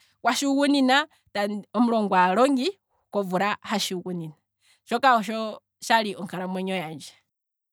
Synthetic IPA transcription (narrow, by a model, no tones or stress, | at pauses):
kwaʃiukunina | tanɔmulɔŋɡwalɔŋɡi | ukɔvuɾahaʃiuɣunina | ʃɔkahɔʃɔ | ʃaliʔɔŋkaɾamwɛɲɔjaːɲd͡ʒɛ̥